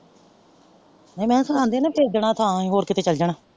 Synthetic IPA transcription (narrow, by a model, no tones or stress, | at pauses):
nəĩːmɛ̃ːsəãːnd̪eːnẽːpʰeːkd̪eɳ̃ãːt̪ʰãːĩːɦoːɾkɪt̪eːt͡ʃəld͡ʒəɳãː